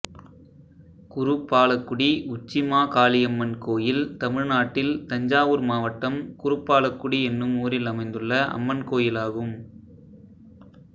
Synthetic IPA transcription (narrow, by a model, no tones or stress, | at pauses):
kʊrɯpːaːlɐkːʊɽiʊt͡ʃːɪmaːkaːlɪjɐmːɐnkoːjɪlt̪ɐmɪɻnaːʈːɪlt̪ɐɲd͡ʒaːʋɯɾmaːʋɐʈːɐmkʊɾɯpːaːɭɐkːʊɽiɛnːɯmuːɾɪlɐmɐɪnd̪ɯɭːɐʔɐ̰mːɐnkoːjɪlaːɣɯm